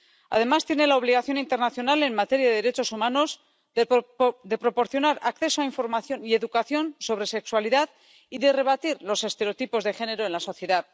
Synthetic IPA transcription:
a̰ðe̞mast̪jene̞laoβ̞liɣaθjo̞nint̪eɾnaθjo̞nale̞nmat̪e̞ɾjaðeðeɾe̞t͡ʃo̞sumano̞z | d̪e̞pɾo̞po̞ɾθjo̞naɾakθe̞soaiɱfo̞ɾmaθjo̞nie̞ðukaθjo̞nso̞βɾe̞se̞kswaliðað | iðe̞re̞βat̪iɾlo̞se̞st̪e̞ɾeot̪ipo̞zðexe̞ne̞ɾo̞e̞nlaso̞θje̞ðað

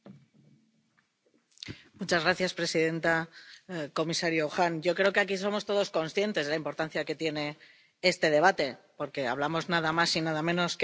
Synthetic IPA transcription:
mut͡ʃazɣɾaθjaspɾe̞siðe̞nt̪a | ko̞misaɾjoxanɟ͡ʝo̞kɾe̞o̞ke̞akis̬o̞mo̞st̪o̞ð̞o̞sko̞nsθje̞nt̪ezðlaimpo̞ɾt̪an̟θjake̞t̪je̞ne̞ | e̞st̪e̞ð̞e̞β̞at̪e̞po̞ɾke̞a̰βlamo̞znaðamasinaðamẽ̞no̞sk

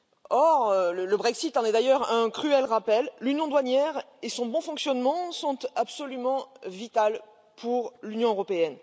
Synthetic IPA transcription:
ɔʁølələbʁɛksit̪ɑ̃nɛd̪ajœʁɛ̃kχyɛlʁapɛlːynjɔ̃d̪wanjɛʁ | esɔ̃bɔ̃fɔ̃ksjɔnmɑ̃sɔ̃t̪apsɔlymɑ̃vit̪al | pʰuʁlynjɔ̃øʁɔpeɛn

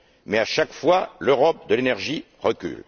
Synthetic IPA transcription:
mɛaʃakfwaløʁɔp̚d̪əlenɛʁʒi | ʁəkʲy̰l

